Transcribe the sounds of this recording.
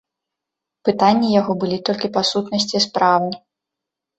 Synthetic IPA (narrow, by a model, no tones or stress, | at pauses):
pɨt̪anʲːijaɣɔbɨlʲit̪ɔlʲkʲipasut̪nɐsʲt͡sʲispɾawni